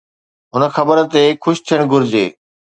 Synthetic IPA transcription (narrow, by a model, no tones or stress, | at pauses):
ɦʊnə̆xɐbəɾt̪ekʰʊʃt̪ʰijəɽ̃ɡʊɾɪd͡ʑeː